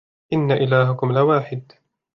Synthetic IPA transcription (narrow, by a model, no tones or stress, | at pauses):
ʔɪnːaʔɪlaːɦʊkʊmlɪwaːħɪd̪